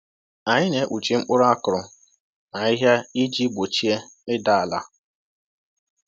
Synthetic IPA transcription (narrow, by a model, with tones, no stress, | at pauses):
a˨ɲɪ˦ne˨ʔu˨t͡ʃi˦ŋ͡m̩˦k͡pʊ˦ɾʊ˦a˦kʊ˨ɾʊ˨ | na˨ɲɪ˦ɦja˦i˦d͡ʒi˦bo˨t͡ʃi˦e˦ɪ˦da˦a˨la̰˨